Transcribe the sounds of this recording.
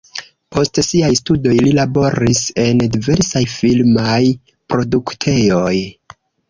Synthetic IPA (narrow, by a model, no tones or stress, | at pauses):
pʰo̞stsiajstudo̞jlilabo̞ɾise̞ndive̞ɾsajfilmaj | pɾo̞duktʰe̞jo̞j